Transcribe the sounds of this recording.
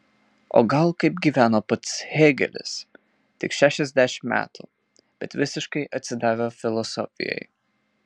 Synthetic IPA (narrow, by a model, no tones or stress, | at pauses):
o̰ːɡɐlˠkɐɪpɡʲiːʋʲæːnoːpɐt̪sheːɡʲɛ̰lʲɪ̰s | t̪ʲɪkʃʲæːʃʲɛzʲd̪ʲæʃʲɪmmʲæ̰ːt̪ṵ | b̥ʲɛt̪ʋʲɪsʲɪʃkɐɪʔɐt̪ʲsʲɪd̪ɑːʋʲoːfʲɪlˠɔsɔ̰fʲɪ̰jɛ̰ɪ